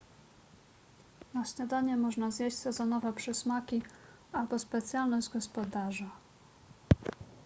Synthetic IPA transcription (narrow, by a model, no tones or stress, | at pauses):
naɕɲad̪aɲɛmɔʐnazjeɕt͡ɕʲsɛzɔnɔvɛpʂɛsmakʲi | albɔspɛt̪sʲjalnɔʑd͡ʑɡɔspɔd̪aʐa